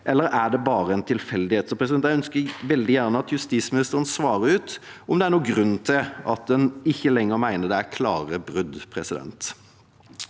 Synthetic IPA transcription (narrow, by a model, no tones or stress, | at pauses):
ʔɛlːəɾæɖ̪ɛbɑːɾəɛnt̪ʰɪlfɛld̪ɪheːt̪sɔpʰɾɛsɪd̪ɛnjæɪœnskəɾʋɛld̪ɪjæʁnəɑt̪jʉst̪iːsmɪnɪst̪əɾənsʋɑːɾəɾʉːt̪ɔmd̪ɛæɾnuːɡɾʉnːt̪ʰɪlʔɑt̪̚d̪ɛnɪçːəlɛŋːəɾmæɪnəd̪ɛækʰlɑːʁəbɾʏd̪pʰɾɛsɪd̪ɛ̰nt̪